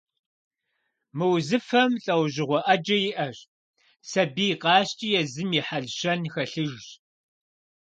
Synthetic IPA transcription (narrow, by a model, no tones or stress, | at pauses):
mɨwzɨfɐmɬʼɐwʑɪʁʷɔʔɐd͡ʒɐjɪʔɐʑ | sɐbiːqɑːɕt͡ʃʼijɛzɨmiħaɮɕɐnxɐɬɨʒʒ